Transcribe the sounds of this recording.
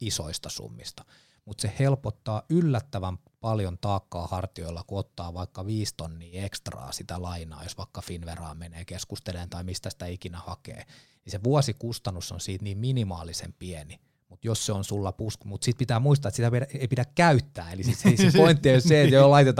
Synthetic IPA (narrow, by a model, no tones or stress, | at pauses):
iso̰ist̪ɑsṵmːist̪ɑ̥ | mut̪sehelpot̪ːɑːylːæt̪ːæʋæm | pɑljont̪ɑːkːɑːhɑrt̪ioilːɑkuot̪ːɑːʋɑikːɑʋiːst̪onːiːekst̪rɑ̰ːsit̪ælɑinɑ̰ːjosʋɑikːɑfinʋerɑ̰ːmeneːkeskust̪elent̪ɑimist̪æsi̥t̪æikinæhɑkḛː | niseʋuɑsikust̪ɑnːusːo̰nsiːt̪niːmminimɑːlisḛmpieni | mut̪josseonsulːɑpuskmut̪sit̪̚pit̪æːmuist̪ɑet̪sit̪æpieipidækkæyt̪ːæːelissesepoint̪ːieosseet̪jolɑit̪et̪ɑ